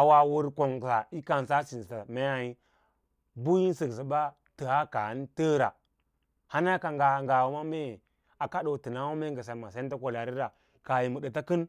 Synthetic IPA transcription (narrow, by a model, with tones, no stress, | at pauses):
a˨wa˨wu˦ɾko˨ŋ˨sa˨i˦ka˨n˨sa˦si˨nsa˨me˦a˨i˦ | bu˦ji˦n˦sə˨ksi˨ba˦ | tə˨ha˦ka˨a˦n˦tə˦ɾa˨ | ha˦n˦a˦ka˨ŋɡa˨ŋɡa˨wu˨ma˦me˦˨ | a˨ka˦ɗo˨ti˨na˦wu˦me˦ŋ˦ɡə˨sa˨ma˨sa˦ta˦ko˨la˨ɾi˦ɾa˨ | ka˨ji˨mu˨ɗə˨ta˦kɨ˦n